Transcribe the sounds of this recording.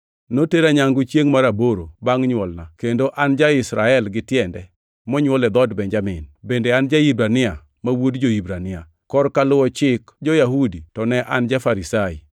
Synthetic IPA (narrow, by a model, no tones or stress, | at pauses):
noteɾaɲaŋɡut͡ʃjeŋmaɾaboɾobaŋɲwɔlnakendoʔand͡ʒaɪsɾaɛlɡɪtjɛndɛ | mɔɲwɔlɛd̪ɔdbɛɲd͡ʒamɪnbendeand͡ʒaibɾanɪa | mawodd͡ʒoibɾanɪa | kɔrkalʊwɔt͡ʃɪkd͡ʒɔjaɦuditɔnɛʔand͡ʒafaɾisaḭ